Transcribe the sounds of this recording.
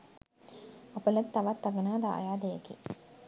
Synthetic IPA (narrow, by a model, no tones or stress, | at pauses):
ɐpəlɐt̪ːaʋat̪ːɐɡənaːd̪a̰ːjaːd̪ejekḭ